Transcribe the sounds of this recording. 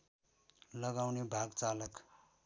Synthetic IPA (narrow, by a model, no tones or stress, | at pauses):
lʌɡawnebʱaɡt͡salʌk